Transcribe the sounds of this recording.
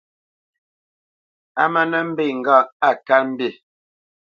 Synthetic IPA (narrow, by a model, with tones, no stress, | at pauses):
a̰˦mə˦nə˦m̩˦be˦˨ŋ̩˨ɡa˦˨a˨ka˦m̩˦be˦˨